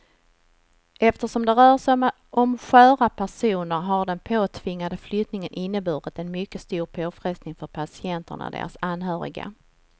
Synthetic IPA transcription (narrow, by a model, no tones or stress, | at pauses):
ɛft̪əʂɔmd̪ɛɾœːʂɔm | ɔmɧœːɾapʰæʂuːnəɾɦaɖɛnpʰoːt̪ʰvɪŋːad̪əflʏt̪nɪŋənʔɪnːəbʉːɾət̪ɛnmʏkːəst̪uːɾpʰoːfɾɛst̪nɪŋfœɾpʰasɪɛnt̪ə̰ɳa̰d̪ḛːɾa̰sanːɦœːɾɪ̰ɡa̰